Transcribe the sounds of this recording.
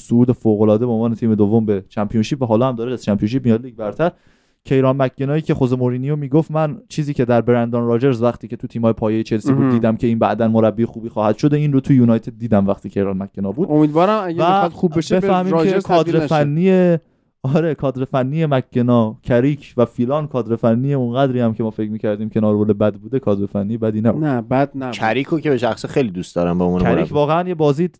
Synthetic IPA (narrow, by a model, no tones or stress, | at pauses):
souːd̪efoːɣolɒːd̪ebeonvɒːnet̪ʰiːme̞d̪ovːo̞mbe̞t͡ʃʰæmpʰijonʃiːp̚væɦɒːlɒːhæmd̪ɒːɾeæzt͡ʃʰæmpʰijonʃiːp̚miɒliɟ̚bæɾt̪ʰæɾ | cʰe̞jɾɒːnmækʰːenɒːjiːcʰe̞χozemoɾiːnijomiːɡoft̪mænt͡ʃʰiːziːcʰe̞d̪æɾbeɾænd̪ɒnɾɒːd͡ʒe̞ɾzvæχt̪ʰiːcʰet̪ʰut̪ʰiːmhɒːjepʰɒːjejet͡ʃʰe̞lsiːbudd̪iːd̪æmcʰe̞iːnbæ̰ʔd̪ænmoɾæbːiːxuːbiːxɒːhæd̪̥ʃod̪einɾot̪ʰujunɒjt̪ʰe̞d̪̚ːiːd̪æmvæxt̪ʰiːcʰe̞jɾɒnmækʰːenɒːbud̪omid̪vɒːɾæmæɡvæd̪χubbeʃbeæhmiːekʰɒːd̪ɾefænːie | ɒɾekʰɒːd̪ɾefænːije̞mækʰːenɒːcʰæɾiːcʰvæfilɒnkʰɒːd̪ɾe̞fænːijeunɣæd̪ɾiːæmcʰemɒːfe̞cmiːcʰæɾd̪iːmcʰenɒːɾvolebæd̪buːd̪e̞kʰɒːd̪ɾe̞fænːijebæd̪iːnæbunæbæd̪næt͡ʃʰæɾiːkʰokebeʃæxsixejlid̪ust̪d̪ɒːɾæmbeomunæɾikʰvɒːɣeænjebɒːzi